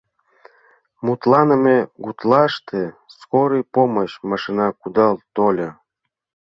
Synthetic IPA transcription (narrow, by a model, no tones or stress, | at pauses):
mut̪lɑnəmeɡut̪lɑʃt̪eskoɾɯjpomoɕmɑʃinɑkud̪ɑlt̪olʲɤ